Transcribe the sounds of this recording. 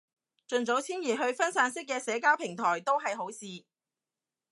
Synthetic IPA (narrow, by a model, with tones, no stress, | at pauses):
t͡ʃɵ˨nt͡so˨˥wt͡sʰiː˥njiː˨˩ɦɵ˧ɥfɐ˥nsaː˨˥nsɪ˥k̬̚ːɛː˧sɛː˨˥kaː˥wpʰɪ˨˩ŋt̪ʰɔː˨˩jt̪o˥wɦɐ˨jɦo˨˥wsiː˨˧